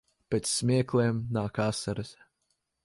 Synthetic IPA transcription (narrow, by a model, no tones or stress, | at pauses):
pʲɛt̪sːmʲiɛkleːmnaːkasaɾɐs